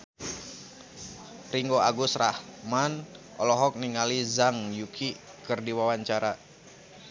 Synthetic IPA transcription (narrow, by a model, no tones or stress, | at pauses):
riŋɡoaɡʊsrahmanʔɔlɔɦɔk̚niŋalizaŋjukʰikɨrdiwawaɲt͡ʃaɾa